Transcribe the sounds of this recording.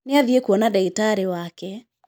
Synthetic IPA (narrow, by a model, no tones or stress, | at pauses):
neaðiekwɔnadɛitaɾewakɛ